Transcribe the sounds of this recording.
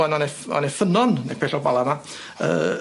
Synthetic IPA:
ananeɔ̰nefənɔnnḛpʰɛɬɔbalˠama | ə̰ː

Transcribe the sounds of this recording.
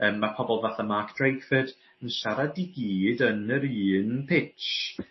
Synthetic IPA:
əːmːapʰɔbɔlˠvaθamakʰd̥rejkfɨd̥ | ənsaɾadiɡiːdənəɾiːnpʰɪt͡ʃ

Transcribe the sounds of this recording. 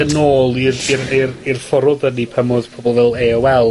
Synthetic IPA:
ənoːlˠiriririrfɔɾɔðənipʰəmɔðpʰobɔlˠvɛlˠeːwɛlˠ

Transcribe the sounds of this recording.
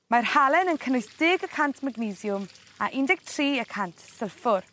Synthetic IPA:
marhalɛnənkʰənʊjsd̥ɪɡəkʰantʰmaɡnizjʊm | aʔɪndɪɡ̥̚tʰriːəkʰantʰsɛlˠfʊr

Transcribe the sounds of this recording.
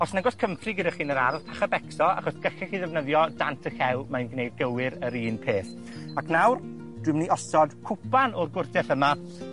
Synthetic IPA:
ɔsnɛɡɔskʰəmprɨɡədaχiːnəɾarpʰaχabɛksɔa̰χɔsɡ̥əɬɛχiðɛvnəðjɔdantʰəxɛlˠmanɡnejd̚ɡəwɪɾəɾiːnpʰeːθ | akʰnawr | d̥wɨmniɔsɔd̥kʰʊpanɔrɡʊrdɛθəma

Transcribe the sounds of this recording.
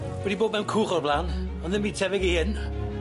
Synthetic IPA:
wɛdiboːd̚mɛwnkʰuːχɔrblˠaːn | ɔnðɪnmviːtʰɛvɪɡihɪn

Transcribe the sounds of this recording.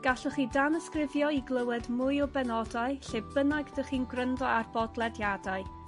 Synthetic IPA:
ɡ̥aɬɔχiːdanəskrɪvjɔiɡlˠəwɛdmʊɨɔbɛnɔdaɨɬɪbbənaɡdəχiːnɡrəndɔarbɔdlˠɛdjadaɨ

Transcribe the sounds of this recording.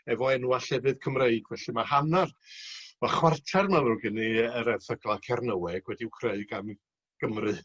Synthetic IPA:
ɛvɔɛnuːaɬɛvɨðkʰəmreɨɡvɛɬɨmahanarmaχwartʰarmavrʊɡɪniəɾɛvθəɡlˠakʰɛrnəwɛɡ̥wɛdiwkʰreɨɡam | ɡ̥əmrɨ

